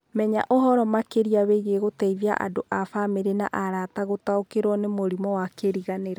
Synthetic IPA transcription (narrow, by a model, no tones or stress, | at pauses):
mɛɲa̰ʔoɦɔɾɔmakeɾiaβeiɣeɣotɛivia̰ʔa̰doʔafameɾena̰ʔaɾataɣotaokeɾwɔnemoɾimɔwakeɾiɣaneɾa